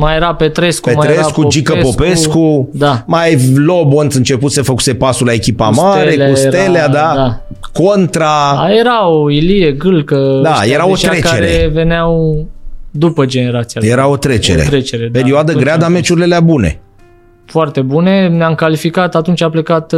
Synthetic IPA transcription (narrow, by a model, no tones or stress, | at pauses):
majeɾape̞t̪ɾe̞skupemaj̪ɾeɾsakuod͡ʒipkəspopesskud̪amajlobont̪sɨnt͡ʃe̞put̪sefəku̥se̞pasulae̞kʲipa̰maɾeleausjeɾt̪elead̪ad̪a | kont̪ɾaajeɾawilije̞ɡɨlkəd̪ajeɾaot̪ɾae̞kt͡ʃaeɾeve̞neaw | d̪upəd͡ʒe̞ne̞ɾat̪sijajeɾao̞t̪ɾe̞t͡ʃe̞̰ɾet̪ɾet͡ʃeɾed̪peɾioad̪əɡɾead̪ame̞t͡ʃuɾileleabune̞̰ | foart̪e̞bune̞neamkalifikat̪at̪unt͡ʃʲaplekat̪